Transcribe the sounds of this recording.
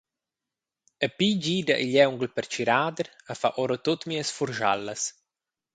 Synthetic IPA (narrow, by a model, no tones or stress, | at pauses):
əpiɟiːd̪aʔiʎɛwŋɡəlpəɾt͡ʃiɾaːd̪əɾafa̰ʔɔɾot̪ot̪miːəsfuɾʒa̰lːəs